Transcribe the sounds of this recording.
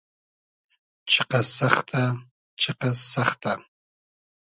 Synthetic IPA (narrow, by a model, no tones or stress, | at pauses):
t͡ʃʰɨqɐsaχt̪ʰʼa | t͡ʃʰɪqɐsaχt̪ʰʼa